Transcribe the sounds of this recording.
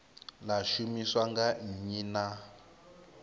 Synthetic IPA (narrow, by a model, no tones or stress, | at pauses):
laʃumiswaŋɡaɲina